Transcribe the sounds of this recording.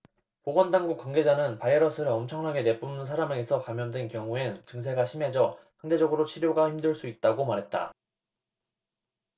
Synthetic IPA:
poɡʌndaŋɡuk͈waŋɡe̞d͡ʑanɯnpaiɾʌsʰɯɾɯɭʌmt͡ɕʰʌŋnaɡe̞ne̞p͈umns̬ʰaɾameɡesʰʌkamjʌndwenkjʌŋuent͡ɕɯŋs̬ʰe̞ɡaɕʰime̞d͡ʑʌhaŋde̞d͡ʑʌɡɯɾot͡ɕʰiɾjoɡaçimdɯɭs͈uit̚t͈aɡomaɾɦe̞t̚t͈a̰

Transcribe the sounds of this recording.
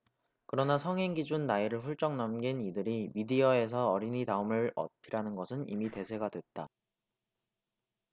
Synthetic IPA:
kɯɾʌnasʰʌŋɦeŋɡid͡ʑunːaiɾɯɭɸuɭt͡ɕ͈ʌŋnʌmɡinidɯɾimidiʌe̞s̬ʰʌʌɾinitaɯmɯɭʌ̰pʰiɾanɯnɡʌsʰɯnḭmite̞sʰe̞ɡadwe̞t̚t͈a

